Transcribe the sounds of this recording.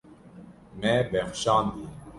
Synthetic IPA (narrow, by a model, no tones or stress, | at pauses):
mɛbɛxʃɑ̃ːnd̪i